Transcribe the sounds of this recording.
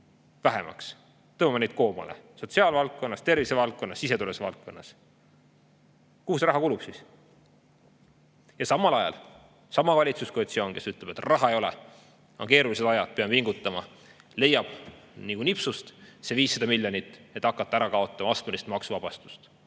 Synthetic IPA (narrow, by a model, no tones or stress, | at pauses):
væɦemɑ̰ks | t̪ɤːmumːɑnejd̪̥̚ko̞ːmɑ̰lḛso̞t̪ʲsiɑːlvɑlk̪̚kːo̞nːɑst̪e̞rvise̞vɑlk̚kːo̞nːɑsise̞t̪ulesvɑlt̪̚ko̞nːɑs | kuːsrɾɑɦɑkulub̥sis | jɑsɑmːɑlɑjɑ̰l | sɑmɑvɑlʲit̪suskoet̪sio̞ːŋke̞syt̪le̞b̥e̞t̪rɑɦɑejo̞lɛ̰ | ɑ̰ŋke̞ːɾulis̬e̥ɑjɑd̪̥̚peɑmviŋɡ̥ut̪ːˑɑmɑ | le̞jːɑb̥nikunipsust̪seviːsːɑd̪ɑmilʲjonit̪ːˑe̞t̪ːˑɑkːˑɑt̪ːˑæɾɑkɑo̞t̪ːˑɑmɑɑst̪melist̪mɑksuvɑb̥ɑst̪u̥st̪